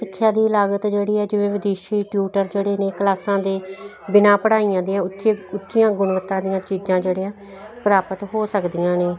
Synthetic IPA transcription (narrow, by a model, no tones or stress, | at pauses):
sɪkʰːjaːd̪iːəlaːɡət̪d͡ʒeːɽiːɛːd͡ʒɪʋẽːʋɪd̪eːʃiːʈjuːʈəɾd͡ʒeːɽeːneːkəlaːsãːd̪eː | bɪnãːpəɽaːiːãːd̪ijãːt͡ʃeʊtːʃijãːɡʊɳʋət̪ːãːd̪ijãːt͡ʃiːzãːd͡ʒeːɽeːãː | pɾaːpət̪ɦoːsəkd̪ijãːneː